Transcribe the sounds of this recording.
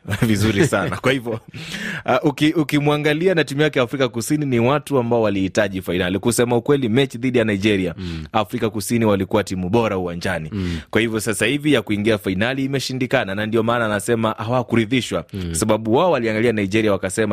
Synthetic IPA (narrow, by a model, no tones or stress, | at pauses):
vizuɾisanakwahivjɔ | ʔukiʔukimuaŋɡalianatimujakɛjafɾikakusininiwatuambaɔwalihitaʄifainalikusɛmaukwɛlimɛt͡ʃiðiɗijanaiʄɛɾiaafɾikakusiniwalikuwatimuɓɔɾauwaɲd͡ʒanikwahivjɔsasahivijakuiŋɡiafainaliːmɛʃindikananandiɔmaːnaːnasɛmaʔawakuɾiðiʃwakwasaɓaɓuwaɔwaliaŋɡalianaid͡ʒɛɾiawakasɛma